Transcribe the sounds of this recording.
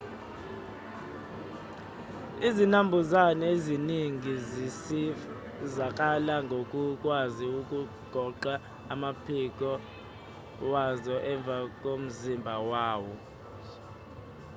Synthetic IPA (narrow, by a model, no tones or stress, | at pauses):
izinambʱuzanɛeziniŋʱizisif | zak̬ʼalaŋɡʱokʼukʼwaziuk̬ʼu | ɡ̥ʱɔǃaː | mapʰik̬ʼɔ | wazɔʔɛɱb̪vʱakʼom̩zimbʱawaːwɔ